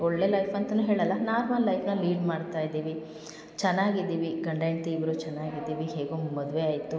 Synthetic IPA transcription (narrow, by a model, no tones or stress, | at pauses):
ɔɭːe̞ːlɐjfʰɐnt̪ɐnuːɦeːɭɐlːɐnaːɾmɐllːɐjfʰnɐliːɖmaːɖt̪aːjd̪iːʋi | t͡ʃɛnːaːɡid̪ːiːʋiɡɐɳɖɐjɳt̪iːʋɾut͡ʃɛnːaːɡid̪ːiːʋiɦe̞ːɡomɐd̪ʋeaːjt̪u